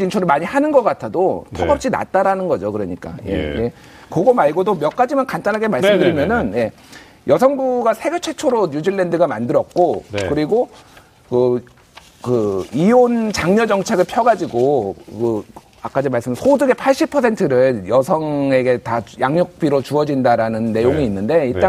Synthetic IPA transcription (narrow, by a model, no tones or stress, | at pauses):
d͡ʑint͡ɕʰoɾɯɭmaɲihanɯnɡʌk͈atʰadotʰoɡʌp̚ɕ͈ina̰t͈aɾanɯnɡʌd͡ʑokɯɾʌɲik͈a̰jḛje̞ | koɡomaɭɡodomjʌk͈ad͡ʑimankant͈anɦaɡemaɭs͈ɯmmdɯɾimjʌnɯnje̞ | jʔʌsʰʌŋbuɡasʰe̞ɡet͡ɕʰe̞t͡ɕʰoɾoɲud͡ʑiɭːe̞ndɯɡama̰ndɯɾʌt̚k͈okɯɾiɡo | kɯ | kɯiont͡ɕaŋɲʌd͡ʑʌŋt͡ɕʰe̞ɡɯɭpʰjʌɡad͡ʑiɡokɯ | ak͈ad͡ʑimaɭs͈ɯmsʰodɯɡe̞pʰaɭɕ͈ipʰʌsʰe̞ntʰɯɾɯɭjʌsʰʌŋe̞ɡe̞tajaŋɲok̚p͈iɾot͡ɕuʌd͡ʑindaɾanɯnːe̞joŋiːnːɯnde̞iɭt͈aŋ